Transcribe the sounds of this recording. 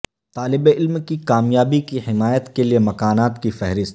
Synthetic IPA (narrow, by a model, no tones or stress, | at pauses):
t̪aːlɪbeɪlmkikaːmjaːbikiɦɪmaːjət̪keliemɐkaːnaːt̪kifɛɦɾɪst̪